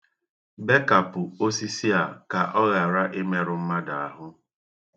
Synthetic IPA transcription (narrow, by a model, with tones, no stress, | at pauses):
be˦ka˨pʊ˨o˦si˦si˦a˨ka˨ʔɔ˦ɣa˨ɾa˦ʔe˦me˦ɾʊ˨m̩˦ma˦da˨a˨ɦʊ˦